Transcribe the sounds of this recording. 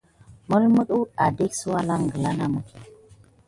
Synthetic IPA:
mə˦lmə˦ɗu˦ɗa˨de˦ksu˦wa˦la˦ŋɡə˨la˦na˦mə˨k

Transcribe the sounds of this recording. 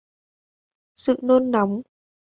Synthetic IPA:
sɨ̰˧˨no˧nːa˨˦wŋ͡m

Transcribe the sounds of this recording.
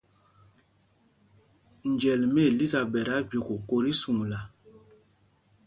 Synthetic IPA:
n˨d͡ʒɛ˨lmɛ˦˨li˦za˨bɛ˨ɾa˦bjo˨ko˨ko˨ɾi˦su˨ŋ˨la˨

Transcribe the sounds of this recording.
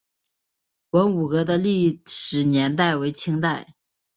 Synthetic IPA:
wə˧˥nu˨˩kɤ˧˥d̪ə˧li˥˩ʂɻ̩˨˩njɛ˧˥nt̪̬a˥˩ɪwe˧˥ɪt͡ɕʰi˥ŋt̪a˥˩ɪ

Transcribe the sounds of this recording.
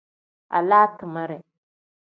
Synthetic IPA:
ʔa̰˨laː˦tɨ˨ma˦ɾɛ˨

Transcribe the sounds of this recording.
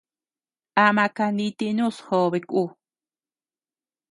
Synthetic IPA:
ʔa˧mã˧ka˧ni˧t̪i˧nũ˦shoː˧βe˧kʼu˦˧

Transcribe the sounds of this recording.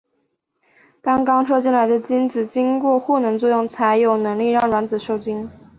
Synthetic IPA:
t̪ɑ˥ŋkɑ˥ŋʈ͡ʂʰɤ˥˧t͡ɕi˥˩nla˧˥ɪd̪ə˧t͡ɕi˥nt͡sɹ̩˨˩t͡ɕi˥ŋkwɔ˥˧xɔ˥˩nɤ˧˥ŋt͡swɔ˥˧jʊ˥˩ŋt͡sʰa˧˥ɪjo˨˩ʊnɤ˧˥ŋli˥˧ɻɑ˥˩ŋɻwa˧˥nt͡sɹ̩˨˩ʂo˥˩ʊt͡ɕi˥n

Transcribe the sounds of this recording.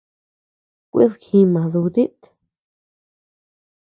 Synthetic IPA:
kʷḭ˦ðkʰi˧mã˨ðu˧d̪i˦t̪

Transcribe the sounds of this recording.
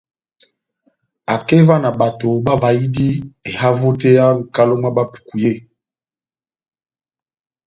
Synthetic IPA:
a˨ke˦va˦na˨ba˨to˨ba˦va˨i˦di˦e˨ha˦vo˦te˦ja˦ŋ̩˨ka˦lo˦m˦a˦ba˦pu̥˨ku˨je˦˨

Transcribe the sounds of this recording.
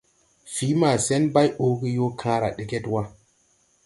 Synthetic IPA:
fi˨˦ma˨se˦nba˦jo˦ɡi˦jo˦kʰã˦ɾa̰˨ɗe˨ɡe˦twa˦

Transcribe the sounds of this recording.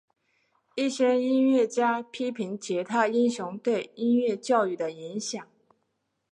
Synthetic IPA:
i˥˩ɕjɛ˥i˥nɥɛ˥˩t͡ɕja˥pʰi˥pʰi˧˥ŋt͡ɕjɛ˧˥t̪ʰa˥˧i˥nɕjʊ˧˥ŋt̪we˥˩ɪi˥nɥɛ˥˧t͡ɕjɑ˥˧ʊy˥˩d̪ə˩i˧˥nɕjɑ˨˩˦ŋ

